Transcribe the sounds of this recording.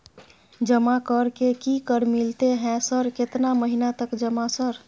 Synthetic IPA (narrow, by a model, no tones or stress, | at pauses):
d͡ʒəmakəɾkekikəɾmilt̪eɦɛ̃səɾket̪naməɦinat̪əkd͡ʒəmasəɾ